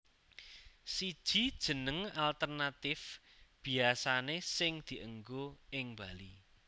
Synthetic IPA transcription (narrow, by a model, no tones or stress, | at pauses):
sid̥ʒ̥i̤d̥ʒ̥ə̤nəŋalt̪ərnat̪ɪfb̥i̤asanesɪŋd̪̥i̤ʔəŋɡoɪŋb̥ali